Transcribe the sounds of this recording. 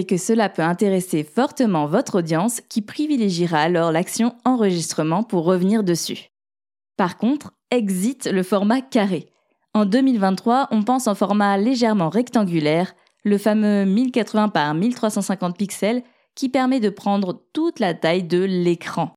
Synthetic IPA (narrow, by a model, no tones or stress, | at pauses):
ekəsəlapøɛ̃t̪eʁesefɔʁt̪əmɑ̃vɔt̪χod̪jɑ̃skʲipχivileʒiʁaːlɔʁlaksjɔ̃ɑ̃ʁəʒist̪χəmɑ̃puʁːəvniʁd̪əsy̰ | paʁkɔ̃t̪χ | ɛɡzit̪ləfɔʁmakaʁe | ɑ̃d̪ømilvɛ̃t̪ːχwaʔɔ̃pɑ̃sɑ̃fɔʁmaleʒɛʁmɑ̃ʁɛkt̪ɑ̃ɡʲylɛʁ | ləfamømilkat̪χəvɛ̃paʁmilt̪χwasɑ̃sɛ̃kɑ̃t̪̚piksɛl | kʲipɛʁmɛd̪əpχɑ̃d̪ʁət̪ut̪lat̪ajd̪əlekχɑ̃